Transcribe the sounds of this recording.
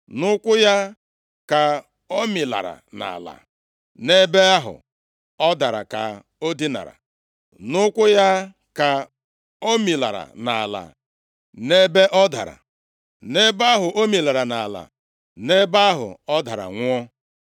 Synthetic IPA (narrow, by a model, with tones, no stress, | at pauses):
nʊ˦kʷʊ˦ja˦ | ka˨ | o˦mi˨la̰˨ɾa̰˨na̰˨la̰˨ | ne˦be˦a˦ɦʊ̰˨ | ɔ˦da˨ɾa̰˨ka̰˨ | o˦di˦na̰˨ɾa̰˨ | nʊ˦kʷʊ˦ja˦ | ka˨ | o˦mi˨la̰˨ɾa̰˨na˨la̰˨ | ne˦be˦ʔɔ˦da̰˨ɾa̰˨ | ne˦ba˦a˦ɦʊ˨ʔo˦mi˨la˨ɾa˨na˨la̰˨ | ne˦ba˦ɦʊ̰˨ɔ˦da˨ɾa̰˨ŋʷʊ˦ɔ˦